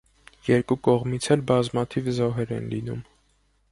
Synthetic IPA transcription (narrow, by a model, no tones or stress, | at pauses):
jɛɾkukɔʁmit͡sʰɛlbɑzmɑt̪ʰivzɔɦɛɾɛ̰nlinṵm